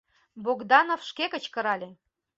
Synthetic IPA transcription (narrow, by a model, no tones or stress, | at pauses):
boɡd̪ɑnofʃkekə̆t͡ɕkə̆ɾɑlʲe